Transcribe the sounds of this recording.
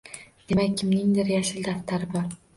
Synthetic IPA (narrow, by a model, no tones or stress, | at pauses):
d̪̥e̞makʲːʰɪmnɪŋd̪ɪɾjaʃɪld̪aft̪ʰaɾɪbɒɾ